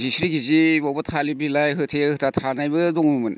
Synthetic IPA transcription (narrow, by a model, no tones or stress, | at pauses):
zisɾiɡizibɔbɯtʰalibilajɦɯtʰeɯtʰatʰanajbɯdɔŋmumɯn